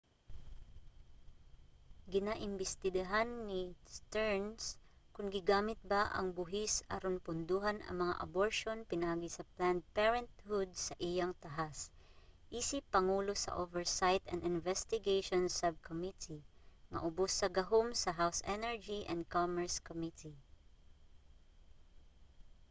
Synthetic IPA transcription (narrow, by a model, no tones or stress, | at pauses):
ɡɪnaʔɪmbɪst̪ɪd̪ɐɦanːɪst̪ɛɹnskʊŋɡɪɡaːmɪt̪̚baʔɐ̰ŋbʊɦɪsɐ̰ɾonpʊnd̪uːɦanɐ̰ŋmɐŋa̰ʔɐ̰boɹʃonpɪnɐʔaːɡɪsɐpland̪̚pɛɹɛnt̪hʊd̪̚sɐʔijaŋt̪ɐɦas | ʔiːsɪpːɐŋuːlosɐ̰ʔovɛɹsajt̪ɐnd̪ɪnvɛst̪ɪɡejʃonsɐb̚kʰomit̪iŋɐ̰ʔʊbosːɐɡɐɦomsɐɦawsʔɛnɛɹd͡ʒiʔɛ̰̃nd̪̚komɛɹskomit̪i